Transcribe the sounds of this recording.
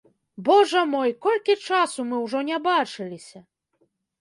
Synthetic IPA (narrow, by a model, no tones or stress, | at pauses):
bɔʐɐmɔjkɔlʲkʲit͡ʂasumɨwʐɔnʲɛbat͡ʂɨlʲisʲɐ